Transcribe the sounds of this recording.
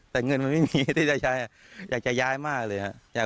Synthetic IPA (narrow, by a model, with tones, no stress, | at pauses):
t̪ɛː˨˩ŋɤ˧nma˧nma˥˩jmiː˧˦˥t̪ʰiː˥˩t͡ɕa˨˩jaː˦˥jʔa˨˩ | jaː˨˩k̚t͡ɕa˨˩jaː˦˥jmaː˥˩k̚lɤː˧jha˧˩ʔjaː˨˩